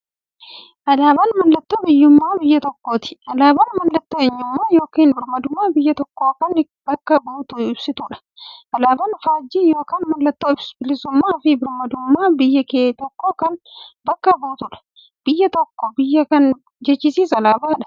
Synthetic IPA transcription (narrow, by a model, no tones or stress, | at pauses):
ʔɐlaːbɐnmɐlːɐt̪ːobɪjːʊmːaːbɪjːɐt̪ɔkːoːt̪ɪ̥ʔɐlaːbɐnmɐlːɐt̪ːoɛɲːʊmːaːjo̞ːkiːnbɪɾmɐd̪ʊmːaːbɪjːɐt̪ɔkːoːkɐn | bɐkːɐboːt̪ʊɪbsɪt̪uːᶑɐ̥ | ʔɐlaːbɐnfaːd͡ʒːiːjo̞ːkɐːnmɐlːɐt̪ːoːɪbsbɪlɪsʊmːaːfɪbɪɾmɐd̪ʊmːaːbɪjːɐkeːt̪ɔkːoːkɐnbɐkːɐboːt̪ʊᶑɐ̥ | b̥ɪjːɐt̪ɔkːɔbɪjːɐkɐn | d͡ʒɛt͡ʃːɪsiːsɐlaːbaːᶑɐ̥